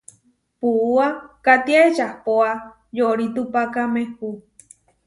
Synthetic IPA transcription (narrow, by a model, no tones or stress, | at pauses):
puuakat̪iaet͡ʃahpoa | joɾit̪upakamehu